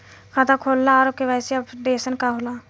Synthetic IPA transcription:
kʰat̪akʰoːlːaɾokeʋɛːseəbɖeːsənkaɦola

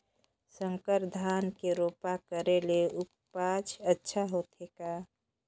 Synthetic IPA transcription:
sə̃ŋkəɾd̪ʱaːnkeɾoːpakəɾeleʊp | pat͡ʃʰətːʃʰaɦot̪eka

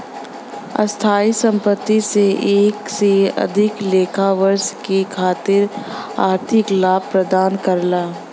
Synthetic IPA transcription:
ɐ̰st̪ʰaːisə̃mpət̪ːiseeːkseɐ̰d̪ʱɪkleːkʰaʋəɾʃkikʰaːt̪ɪɾaːɾt̪ʰɪklaːbpɾəd̪aːnkɐɾlaː

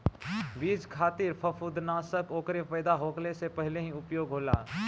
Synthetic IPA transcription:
biːd͡ʒkʰaːt̪ɪɾpʰəfʰud̪naːsəkoːkɾepəːd̪aɦoːklesepɛɦleɦĩʊpjoːɡɦoːlaː

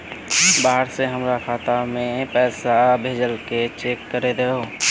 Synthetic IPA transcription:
baːɦəɽseɦəmɾakʰaːt̪amẽpɛːsabʱeːd͡ʒəlket͡ʃeːkːəɾed̪eo

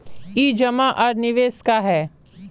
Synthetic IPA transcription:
iːd͡ʒɐmaʔɐɾnɪʋeːskaɦɛː

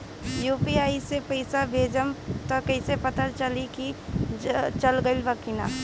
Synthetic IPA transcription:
juːpiaːisepəɪsabʱeːd͡ʒəmt̪ɔkəɪsepət̪əɾt͡ʃəliki | t͡ʃəlɡəɪlbəkina̰ː

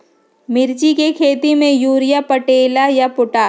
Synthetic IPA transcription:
mɪɾt͡ʃikekʰeːt̪imẽjuːɾɪjapɐʈeːlajapʊʈaː

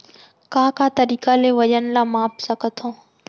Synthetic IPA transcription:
kãːkãːt̪əɾiːkaleːʋəʄənlaːmaːpsəkət̪ʰõː

